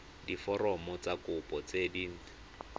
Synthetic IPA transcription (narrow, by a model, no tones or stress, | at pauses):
difɔrɔmɔt͡sakʊpʼɔt͡sediŋ̩